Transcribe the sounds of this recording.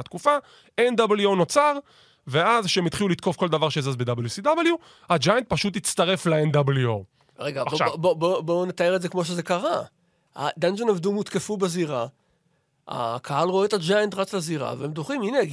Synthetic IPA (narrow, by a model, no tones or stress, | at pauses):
t̪kufa | end̪abeljuono̞t͡saʁ | veazʃeemit̪χilulit̪ko̞fko̞ld̪avaʁʃeazazbed̪abeljusid̪abelju | ad͡ʒajant̪̚paʃut̪it͡st̪aʁe̞flaend̪abljuo | ʁeɡaaʃabobobonet̪aeʁetzekmo̞ʃ̬ezekaʁa | a̰d̪and͡ʒonavdumut̪ke̞fubeziʁa | a̰kʰaɦalʁoet̪ad͡ʒajent̪ʁat͡slaziʁa̰veemd̪uχimine